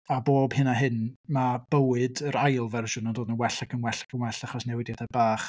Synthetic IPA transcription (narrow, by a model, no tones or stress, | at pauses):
aboːb̥hɨnaɦɨnmab̥əwɨdəɾajlˠvɛrʒʊnəndoːdnənwɛɬakʰənwɛɬḁkʰənwɛɬaχɔsnɛwɪdjadabaːχ